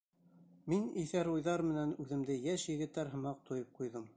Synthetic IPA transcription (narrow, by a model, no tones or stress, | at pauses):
miniθæɾujðɑɾmɘ̆nænʉðɘ̆md̪ɘjæʃjɘ̆ɡɘ̆t̪ːæɾɦɤ̆mɑq̚t̪ʰojɤp̚qujðɤm